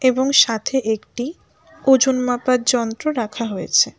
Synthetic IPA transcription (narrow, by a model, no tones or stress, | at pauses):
eboŋʃat̪ʰeʔekʈi | od͡ʑunmapaɾd͡ʑɔnt̪ɾoɾakʰaɦojet͡ɕʰe